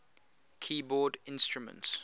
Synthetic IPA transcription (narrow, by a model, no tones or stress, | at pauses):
kʰiːbɔːdɪ̃nstɹumə̰̃nts